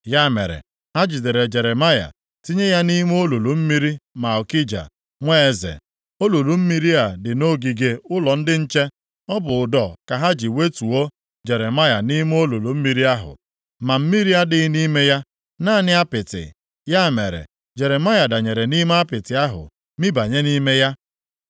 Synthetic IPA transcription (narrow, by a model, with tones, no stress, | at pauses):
ja˦˨mḛ˨ɾḛ˨ | ha˦d͡ʒi˨de˨ɾe˨d͡ʒe˨ɾe˨ma˦ja̰˨ | ti˦ɲe˦ja˦ni˦m˦o˦lo˨lu˨m̩˦mi˦ɾi˦ma˨ʊ˨ki˦d͡ʒa̰˨ | ŋʷe˦e˨zḛ˨ | o˦lo˨lu˨m̩˦mi˦ɾi˦a˨dɪ˨no˦ɡi˨ɡe˦ʊ˦lɔ˨n̩˦dɪ˦n̩˦t͡ʃe˦ | ɔ˦bʊ˨ʊ˨dɔ˨ka˨ɦa˦d͡ʒi˨we˦tu˨o˦ | d͡ʒe˨ɾe˨ma˦ja˨ni˦m˦o˦lo˨lo˨m̩˦mi˦ɾi˦a˦ɦʊ̰˨ | ma˨m̩˦mi˦ɾi˦a˦dɪ˦ni˦me˦ja˦ | na˦˨nɪ˦a˦pɪ˨tɪ̰˨ | ja˦˨me˨ɾḛ˨ | d͡ʒe˨ɾe˨ma˦ja˨da˨ɲe˨ɾe˨ni˦me˦a˦pɪ˨tɪ˨a˦ɦʊ̰˨ | mi˦ba˨ɲe˦ni˦me˦ja˦